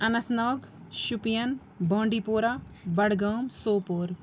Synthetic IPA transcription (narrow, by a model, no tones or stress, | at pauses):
ɐnɐt̪ʰnaːɡ | ʃupijɐn | bɐ̃ːɳɖipoːɾabɐɽɡaːmsoːpoːɾ